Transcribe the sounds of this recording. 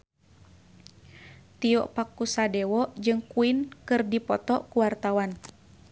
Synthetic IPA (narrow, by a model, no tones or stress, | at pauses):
t̪iɔʔpakːusadɛwɔʔd͡ʒɨŋkuinkɨrdipɔt̪ɔʔkuwart̪awan